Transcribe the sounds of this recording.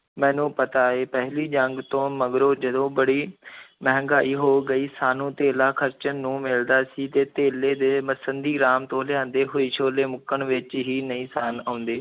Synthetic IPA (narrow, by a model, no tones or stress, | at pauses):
mɛ̃ːnũːpət̪aːeːpɛɦliːd͡ʒəŋɡt̪õːməɡɾoːd͡ʒəd̪õːbəɽiːmɛɦŋɡaːiːɦoːɡəiːsaːnũːt̪eːlaːkʰəɾt͡ʃənːũːmɪld̪aːsiːt̪eːt̪eːleːd̪eːməsənd̪iːɾaːmt̪õːlɪjãːnd̪eːɦoːiːʃʰoːleːmʊkəɳʋɪt͡ʃɦiːnəĩːsaːnaːʊ̃nd̪eː